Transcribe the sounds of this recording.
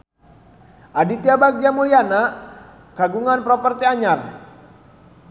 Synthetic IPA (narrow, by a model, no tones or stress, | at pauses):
ʔadit̪iabak̚d͡ʒamuliana | kaɡuŋanpɾɔpərt̪iaɲar